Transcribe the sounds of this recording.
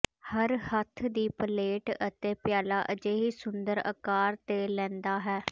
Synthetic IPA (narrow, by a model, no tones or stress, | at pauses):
həɾhət̪ʰd̪iːpəleːʈət̪eːpjaːlaːʔəd͡ʒeːɦiːsʊnd̪əɾə̰kaːɾt̪eːlɛ̃ːnd̪aːɦɛː